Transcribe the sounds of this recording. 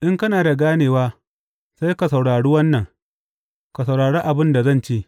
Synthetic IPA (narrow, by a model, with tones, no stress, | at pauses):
ʔɪ˦ŋkɐ˦naː˨da˨ɡaː˦neː˨waː˦ | sa˦jka˨sa˨wɽaː˨ɽiː˦wɐ˦nːɐ˨ŋ | ka˨s̬a˨wɽaː˨ɽe˦ʔa˨bɪ˦nda˨zɐ˦˨nt͡ʃeː˦ʔ